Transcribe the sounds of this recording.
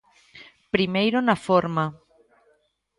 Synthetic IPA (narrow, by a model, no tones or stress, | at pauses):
pɾimejɾonafoɾma